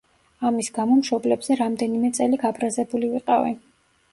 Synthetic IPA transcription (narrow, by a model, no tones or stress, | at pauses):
amisɡamɔmʃɔblɛbz̥ɛɾamd̪ɛnimɛt̪sʼɛliɡabɾazɛbuliviqʼavḭ